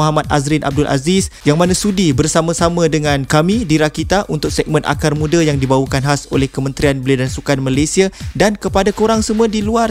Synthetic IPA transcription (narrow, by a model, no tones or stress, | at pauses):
ɦamat̪̚azɾinʔa̰b̚dʊlʔa̰zisjaŋmanãsudibərsamãsamãdəŋãnkamĩdiɾakit̪aʔunt̪ʊk̚sɛɡ̚mə̃nʔa̰karmũdajaŋdibawakanɦaso̰lɛhkəmə̃nt̪ɾianbəliadansukanmalajsiadankəpadakoɾaŋsəmũadiluar